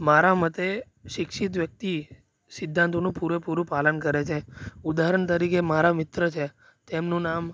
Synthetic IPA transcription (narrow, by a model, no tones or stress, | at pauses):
maɾamət̪e | ʃɪkʃit̪̬ʋjək̚t̪i | sɪd̪ʱːant̪onũpuɾepuɾũpalənkəɾet͡ʃʰeud̪aɦɾəɳt̪əɾikemaɾamɪt̪ɾət͡ʃʰe | t̪emnũnam